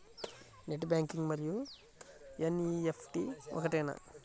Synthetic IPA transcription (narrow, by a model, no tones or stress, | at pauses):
neʈːbʲjaːŋkiŋɡmɐɾiju | eniepʰʈiɔ̰kɐʈejna̰